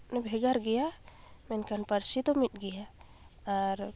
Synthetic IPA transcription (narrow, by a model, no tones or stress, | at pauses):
nɛbʱɛɡaɾɡɛja | mɛnkanpəɾsit̪ɔmit̪̚ˀɡɛjaː | ɾ